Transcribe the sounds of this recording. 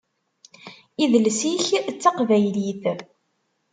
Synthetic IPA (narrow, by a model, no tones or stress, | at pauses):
iðəlsiçt͡sːɑqvæjliθ